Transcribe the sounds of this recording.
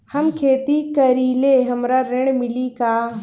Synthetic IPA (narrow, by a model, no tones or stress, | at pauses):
hɐmkʰeːt̪ikɐɾiːleɦɐmɾaɾɪɳ̃mɪlikaː